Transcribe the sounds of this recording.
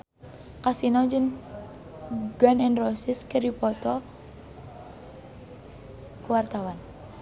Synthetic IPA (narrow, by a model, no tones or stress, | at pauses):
kasinɔd͡ʒəŋ | ɡanɛnrɔsɪskəɾipɔt̪ɔ | kuwart̪awan